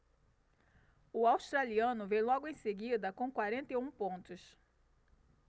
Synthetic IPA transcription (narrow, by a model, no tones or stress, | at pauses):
ʊawst̪ɾaliɐ̃nʊvẽjlɔɡʊẽj̃seɡid̪ɐkõw̃kwaɾẽnt̪ejũpõnt̪ʊs